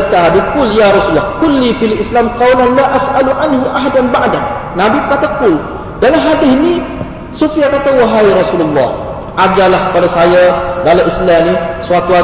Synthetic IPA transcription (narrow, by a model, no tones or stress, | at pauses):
t̪aɦadikʊljaɾˤɑsulːɑhkʊlːifialʔislamqɑwlanlaʔasʔaluʕanɦuʔaɦadanbaʔdannabibəkat̪akʊl | dalamɦadɪni | sufijakat̪awaɦajɾɑsululːɑ̰h | ʔad͡ʒalahkə̥padasajadalamʔislanisuat̪ua